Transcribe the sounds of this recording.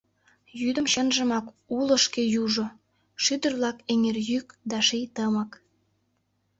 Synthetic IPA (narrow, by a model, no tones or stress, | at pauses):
jyd̪ə̆mʃənʒə̆mɑk | ulə̆ʃkejuʒo | ʃyd̪ərβlɑkeŋerjykd̪ɑʃijt̪əmə̆k